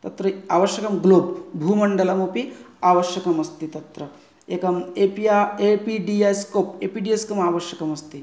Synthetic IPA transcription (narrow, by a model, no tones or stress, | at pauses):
t̪ɐt̪ɾɐaːʋɐʃjɐkɐmɡloːbbʱuːmɐɳɖɐlɐmoːpiaːʋɐʃjɐkɐmɐst̪it̪ɐt̪ɾɐ | eːkɐmepiaepiɖiajskoːpeːpiɖijeskomaːʋɐʃjɐkɐmɐst̪i